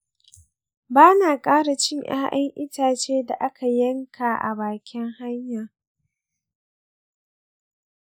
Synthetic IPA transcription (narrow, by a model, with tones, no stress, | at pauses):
baː˦naː˨kʼaː˦ɽa˨t͡ʃɪ˦˨ɲʔj̰a̰ː˦ʔɐ˦ŋʔɪ˦taː˨t͡ʃeː˦da˨ʔa˦kʰa˨jɐ˦ŋkʰaː˨ʔa̰˨baː˨kʲɪ˦ŋha˦ɲjaː˨